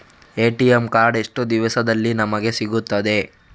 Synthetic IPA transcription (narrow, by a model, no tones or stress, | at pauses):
eːʈijemkaːɾɖe̞ʂʈud̪iʋɐsɐd̪ɐlːinɐmɐɡe̞siɡut̪ːɐd̪e̞